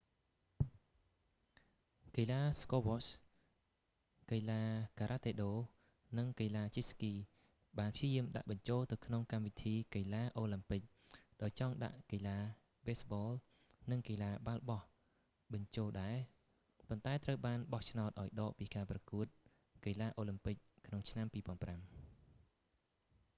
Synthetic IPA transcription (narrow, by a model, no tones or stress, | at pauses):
kəlaːskoːʋos | kəjlaːkaːɾaːt̪eːɗoː | nɨŋkəlaːt͡ɕiskiː | ɓaːnpʰjiəjiəmɗa̰ʔɓɑɲt͡ɕoːlt̪ɨwkʰnoŋkamʋit̪ʰiːkəjlaːʔoːlɨmpɨc̚ | ɗaɔjt͡ɕɑŋɗa̰ʔkəlaː | ɓeːsɓɔːl | nɨŋkəlaːɓalɓɑh | ɓɑɲt͡ɕoːlɗaɛ | pont̪aɛt̪rəwɓaːnɓɑht͡ɕʰnaɔt̪̚ʔaɔjɗɑːʔpiːkaːprɑkuət̪̚ | kəlaːʔoːlɨmpɨc̚kʰnoŋt͡ɕʰnampiːpŏənpram